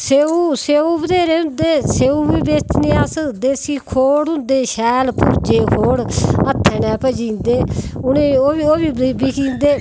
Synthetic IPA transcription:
seːuːseːuːbəd̪eːɾeːʊ̃nd̪eːseːuːbiːbeːt̪neːasəd̪eːsiːkʰoːɽʊ̃nd̪eːʃɛːlpʊɾd͡ʒeːkʰoːɽət̪ʰːɛːnɛ̃ːpəd͡ʒĩːnd̪eːʊnẽːoːioːbiːbbiːkiːnd̪eː

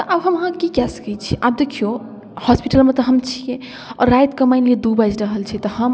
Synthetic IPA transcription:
t̪ɔʔabɦəmɦãkikjasə̥kɛt͡ʃʰiʔab̚d̪ekʰijo | hɔspiʈəlmet̪ɔɦəmt͡ʃʰije | ɔ̰ɾːajt̪kəmaɪnled̪ubad͡ʒɾəɦəlt͡ʃʰɛt̪ɔhəm

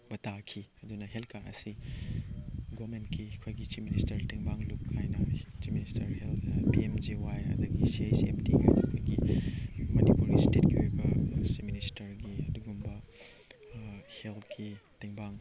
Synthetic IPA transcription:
bɐtakʰiɐdunɐɦelkaɾɐ̰si | ɡomentkiɐkʰojɡit͡ʃip̚ministɐɾtiŋbaŋlukʰːajnɐt͡ʃipministɐɾhelpiemd͡ʒiwajɐ̰dɐɡisiajsiemtikʰa̰jnɐ̰kʰojɡi | mɐnipuɾɡistet̚ɡiojbɐsipministɐɾɡiɐduɡumbɐ | heltʰkitiŋbaŋ

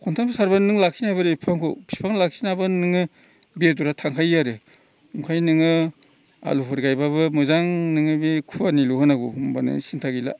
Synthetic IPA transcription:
kʰɔntʰamsaɾbanɯŋlak̚sinabɯɾɯpʰaŋkʰo̰pʰi̥pʰaŋlak̚sinabɯnɯŋɯ | beduɾatʰaŋkʰajaɾɯ | ukʰajnɯŋɯ | a̰lupʰɯɾɡajbabɯmɯzaŋnɯŋɯbikʰuwaniluɦɯnaɡṵmbanɯ̰sintʰaɡila̰

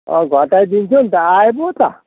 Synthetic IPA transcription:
ɔ̰ɡʱɔʈajd̪int͡ʃʰunt̪aajbot̪a

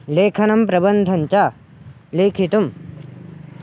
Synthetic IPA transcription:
leːkʰɐnɐmpɾɐbɐnd̪ʱɐnt͡ʃaː | leːkʰit̪um

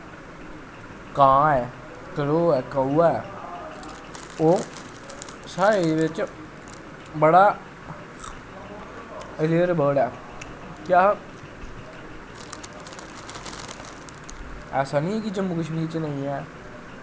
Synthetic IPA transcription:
kãːɛː | kəɽoːɛːkəuːaɛː | oː | saːɾeʋɪt͡ʃ | bəɽaː | ɪleəɾbəːɽɛː | kaː | ɛːsaːnĩːɛːk̬ɪd͡ʒəmːuːkəʃmiːɾt͡ʃnəĩːɛː

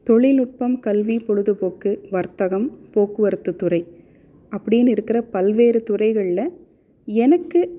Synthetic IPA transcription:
t̪ɔɭɪlʊʈ̚pɐmkɐlʋipɔɻɯðɯpoːkːɯʋɐɾt̪ɐɣɐmpoːkːɯʋɐɾɯt̪ːɯt̪ːʊrɐɪ | ʔɐpːɐɽɪjnɪɾɯkːɪrɐpɐlʋeːɾɯt̪ʊrɐɪɣɐɭɪlɐ | ɛnɐkːɯ

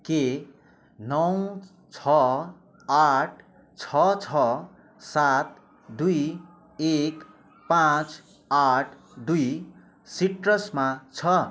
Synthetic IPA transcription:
ke | nʌw | t͡sʰʌ | aʈʰ | t͡sʰʌt͡sʰʌ | sat̪̚ | d̪uj | ek | pãt͡s | aʈʰ | d̪uj | siʈrʌsmat͡sʰʌ

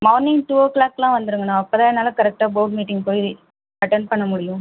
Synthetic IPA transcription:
mɐʊnːɪŋʈuːoːklaːkːlãːʋɐnd̪ɯɾɯŋɡɐnːãːɐpːoːt̪ãːɛnːaːlɐkɐɾɛk̚ʈaːboːʈmiːʈɪŋpoːji | ɐʈːɛnɖ̚pɐɳːɐmʊɽɪjʊ̃

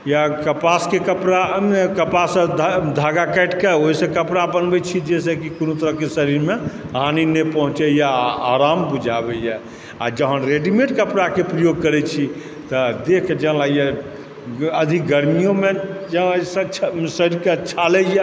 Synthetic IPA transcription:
jakəpaskekəpɾakəpasəd̪d̪ʱaɡakɛʈkeoɦisə̃kəpɾabənbɛt͡ʃʰid͡ʒes̬əkikonot̪əɾəɦkesəɾiɾme | ɦaninepəɦũt͡ʃɛjaaɾambud͡ʒʱabɛjɛ | a̰d͡ʒəɦənɾeɖimeʈkəpɾakepɾəjoɡ̚kəɾɛt͡ʃʰi | t̪əd̪ekʰd͡ʒəɦlajɛ | əd̪ʱikɡəɾmijomed͡ʒəsə̃t͡ʃʰsəɾiɾket͡ʃʰalɛjɛ

